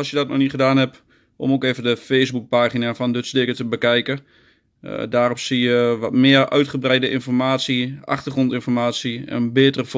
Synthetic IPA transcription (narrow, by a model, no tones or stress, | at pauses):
ɔlˠsjədɔt̚noniχədaːnɛp | o̰mokeːvəndəfeːsbuk̚paːχinafɔndətsdɪɡətəbəkɛjkə | daːropsijəʋɔtmɪərʔœ̰ɥtχəbrɛjdəʔɪnfɔrmaːtsiʔa̰χtərχrontɪnfɔrmaːtsiɛ̰bɪːtərəf